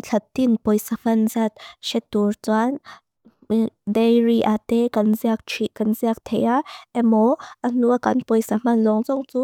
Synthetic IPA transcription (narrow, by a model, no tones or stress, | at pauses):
t͡ɬʰɐt̪ːinpɔjsam̥ɐnzat̪̚ʃɛt̪ːurt͡san | dejriʔat̪ɛkɐnziɐk̚t͡ʃʰikɐnziək̚t̪ʰejaʔɛmɔʔɐn̥uəkɐnpɔjsam̥ɐnlɔŋzɔŋt͡su